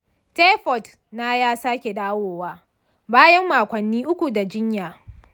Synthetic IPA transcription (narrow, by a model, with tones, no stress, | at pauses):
te˦ɸɔ˨t | naː˦jaː˦saː˦kʲe˨ɗaː˦woː˨waː˦ | baː˦jɐ˦mːaː˨kʷɐ˨nːiː˦ʔʊ˦kʷu˨da˨d͡ʒɪ˦ɲjaː˨